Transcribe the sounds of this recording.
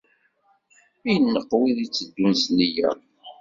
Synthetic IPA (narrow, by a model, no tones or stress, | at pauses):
ijənːəqːwiðit͡sːəd̪ːunsnijæ̰